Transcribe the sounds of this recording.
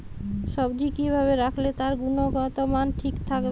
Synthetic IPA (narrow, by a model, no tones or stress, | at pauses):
ʃɔbd͡ʒikibʱaβeɾakʰlet̪aɾɡunoɡɔt̪omanʈʰikt̪ʰak